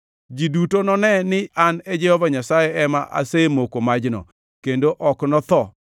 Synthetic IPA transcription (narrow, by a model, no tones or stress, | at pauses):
d͡ʒidutonɔnɛnɪaned͡ʒɛhɔvaɲasajɛɛma̰ʔa̰semokomad͡ʒnɔ̰ | kendoʔɔknɔt̪ɔ